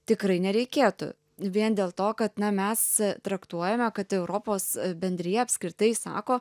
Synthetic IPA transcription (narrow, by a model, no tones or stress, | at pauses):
t̪ʲɪkɾɐɪnʲɛɾʲɛɪkʲeːt̪ʊ̰ | ʋʲiɛnd̪ʲeːlˠt̪oːkɐt̪nɐmʲɛst̪ɾɐkt̪uɔjɛmʲɛkɐt̪ɛʊɾoːpoːsbʲɛnʲd̪ʲɾʲɪjɛɐpʲsʲkɾʲɪt̪ɐɪsɑ̰ːkoː